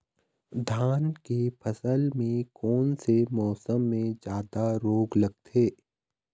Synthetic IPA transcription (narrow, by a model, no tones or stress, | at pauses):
d̪ʱaːnkepʰəsəlmẽkɔːnsemɔːsəmːẽd͡ʒjaːd̪aɾoːɡlɐɡ̚t̪ʰeː